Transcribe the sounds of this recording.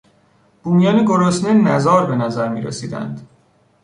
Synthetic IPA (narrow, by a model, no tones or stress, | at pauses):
b̥uːmijɒːneɡoɾosnenæzɒːɾbe̞næzæɾmḭːɾḛsiːd̪æ̰nd̪̥